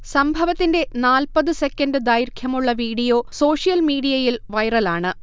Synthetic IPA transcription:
sɐmbʱɐʋɐt̪ːinde̞naːlpɐðɨse̞kːɐndɨd̪aːjiɾkʰjɐmuɭːɐʋiːɽijo̞ːso̞ːʂijɐlmiːɽijɐjilʋɐjrɐlaːɳɨ

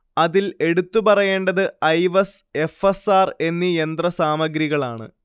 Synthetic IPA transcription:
ɐðile̞ɽut̪ːupɐrɐje̞ːɳɖɐðɨɐjʋɐse̞fesaːre̞nːijend̪rɐsaːmɐɡɾiɣɐɭaːɳɨ̰

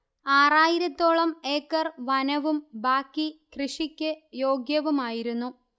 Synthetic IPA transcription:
aːraːjiɾɐt̪ːo̞ːɭɐme̞ːkːɐrʋɐnɐʋumbaːkːikrɨʂikʲːɨjo̞ːɡjɐʋumaːjiɾunːu

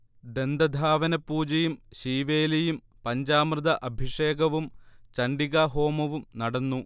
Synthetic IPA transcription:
d̪e̞nd̪ɐd̪ʱaːʋɐnɐpːuːd͡ʑɐjumɕiːʋeːlɐjum | pɐɲd͡ʑaːmrɨd̪ɐʔɐbʱiʂeːɡɐʋumt͡ɕɐɳɖiɣaɦo̞ːmɐʋumnɐɽɐnːu

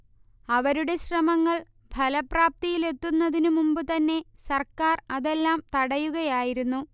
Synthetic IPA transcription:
ɐʋɐɾuɽe̞ɕrɐmɐŋːɐɭ | bʱɐlɐpraːp̚t̪ijile̞t̪ːunːɐðinumumbɨt̪ɐnːe̞sɐrkaːrɐðe̞lːaːmt̪ɐɽɐjuɣɐjaːjiɾunːu

